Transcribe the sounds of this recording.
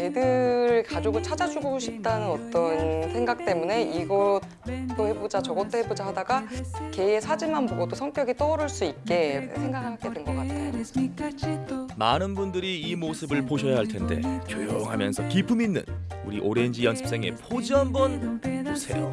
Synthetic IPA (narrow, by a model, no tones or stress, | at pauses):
edɯɾɯkad͡ʑoɡɯɭt͡ɕʰad͡ʑad͡ʑuɡoɕʰip̚t͈anɯnʌt͈ʌnsʰe̞ŋɡak̚t͈e̞mune̞iɡʌ | t͈ohebod͡ʑat͡ɕʌɡʌt͈ohebod͡ʑahadaɡake̞esʰad͡ʑimanboɡot͈osʰʌŋk͈jʌɡit͈ʌɾɯɭs͈uit̚k͈e̞sʰeŋɡakʰaɡ͈edenɡʌk͈atʰajo | manɯnbundɯɾiːmosʰɯbɯɭpoɕʰʌjaɦaɭtʰe̞nde̞̰t͡ɕojoŋɦamjʌ̰nsʰʌkipʰɯminːɯ̰nuɾiʔoɾe̞ɲd͡ʑijʌnsʰɯ̥p̚s͈eŋe̞̰pʰod͡ʑiɦambʌnmosʰe̞̰jo